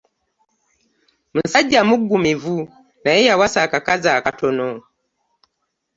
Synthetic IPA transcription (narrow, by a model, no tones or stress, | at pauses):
m̩n̩sad͡ʒamuɡumivu | naɛjawasakakazaːkatɔnɔ